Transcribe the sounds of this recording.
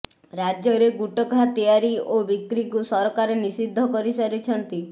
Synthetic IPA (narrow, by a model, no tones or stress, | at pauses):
ɾad͡ʒjɔɾeɡuʈɔkat̪ijaɾiobikɾikusɔɾkaɾenisid̪ʱːɔkɔɾisɔɾit͡ʃʰɔnt̪i